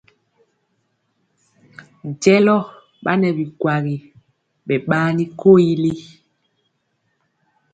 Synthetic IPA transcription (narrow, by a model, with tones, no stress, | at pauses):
d͡ʒɛ˦lɔ˦ | ɓa˦nɛ˨bi˨kwa˨ɣi˨ | ɓɛ˨ɓaː˦ni˦ko˦˨i˦li˦